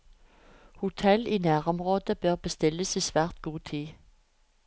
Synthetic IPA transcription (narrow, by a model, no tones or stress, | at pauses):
hʊt̪ʰɛliːnæːʁɔmʁoːd̪̥əb̥œʁb̥əst̪ɪləsiːsʋæːʁt̪ɡ̥uːt̪ʰiː